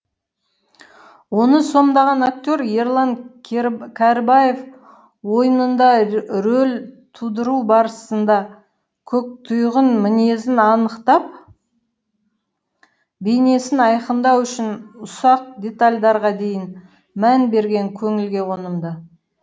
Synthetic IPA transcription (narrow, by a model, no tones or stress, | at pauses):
wo̞nəso̞md̪ɑʁɑnak̚t̪ʲo̞ɾje̞ɾlˠaŋ | kʲʰaɾbaje̞f | wo̞jənənd̪ɑɾɵlʲt̪ʰud̪əɾuwbɑɾəsənd̪ɑ | kʲʰɵk̚t̪ʰʊjʁənmɪne̞zɪnɑnəqt̪ɑp̚ | bejne̞sɪnɑjqənd̪ɑwʏʃɪnʊsɑq̚d̪ʲe̞t̪alʲd̪ɑɾʁɑd̪e̞jɪn | mænbe̞ɾɡʲe̞ŋkʲʰɵŋɪlɡʲe̞wo̞nəmd̪ə